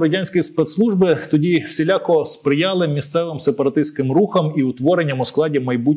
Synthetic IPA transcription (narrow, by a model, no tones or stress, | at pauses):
ɾɐdʲanʲsʲkɔjispɛt̪slˠuʒbɪt̪ɔdʲiwsʲɪlʲɑkɔspɾɪjɑlˠɪmʲːist̪sɛʋɪmsepɐɾɐt̪ɪsʲt̪ʲkɪmruxɐmiut̪ʋɔɾenʲːɐmʊsklˠɑdʲimɐjbu